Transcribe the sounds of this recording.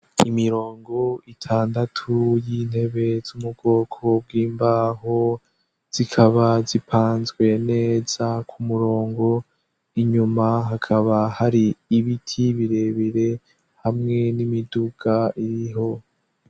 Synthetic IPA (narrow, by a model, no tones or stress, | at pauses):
imiɾo̞ːŋɡo̞itʰaːndatʰujin̥he̞βe̞zumub̚ɡo̞ːkʰo̞b̚ɡiːmbaːɦo | z̥ikʰaβazipʰaːnzɡwe̞ne̞ːz̥akʰumuɾo̞ːŋɡo̞ | iɲumaɦakʰaβahaɾiːβitʰiβiɾe̞βiɾe̞ | hamŋe̞nimiduɡ̥aʔiɾiɦo̞